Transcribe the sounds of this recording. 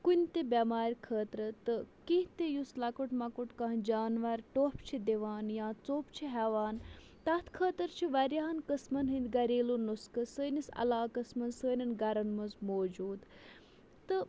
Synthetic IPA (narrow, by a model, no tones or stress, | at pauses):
kunʲt̪ebʲɐmaːɾʲkʰəːt̪ɾət̪ɨkiɦt̪ejuslɐkuʈmɐkuʈkaːnd͡ʒaːnʋɐɾʲʈoːpt͡ʃʰid̪eʋaːnjãːt͡soːpt͡ʃʰiɦɛʋaːn | t̪ɐt̪ʰkʰəːt̪əɾt͡ʃʰiʋɐɾʲjaːɐnkɐsmɐnɦɨnd̪ʲɡɐɾeːlunuskɨsəːnisɐ̰laːkɐsmɐnsəːnɐnɡɐɾɐnmɐzmoːd͡ʒuːd̪ | t̪ɨ